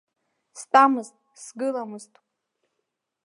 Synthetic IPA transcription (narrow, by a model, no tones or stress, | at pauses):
stʼamɨztʼsɡɨlamɨztʼ